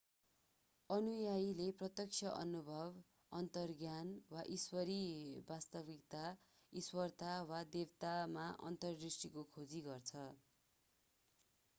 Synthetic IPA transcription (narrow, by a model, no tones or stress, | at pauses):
ʌnujajleprʌt̪jʌk̚t͡sʰʌʔʌnubʱʌb | ʌnt̪ʌrɡjanwaʔiswʌɾibast̪ʌbik̚t̪a | iswʌrt̪awad̪ewt̪amaʔʌ̰nt̪ʌrrisʈikokʰod͡ziɡʌrt͡sʰʌ